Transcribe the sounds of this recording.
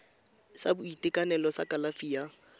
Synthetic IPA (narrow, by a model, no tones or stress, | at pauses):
sabʊitʼɪkʼanɛlɔsakʼalafiːa